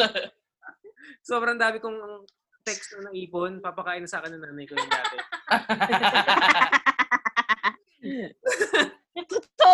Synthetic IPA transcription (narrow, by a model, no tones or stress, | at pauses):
so̞ːbɾɐŋd̪aːmɪkʊŋɐŋ | t̪ɛksonɐŋʔiːponpapɐkaːʔɪnɐsaːkɛnːɐŋnaːnɐjkoɐŋda̰ːɪ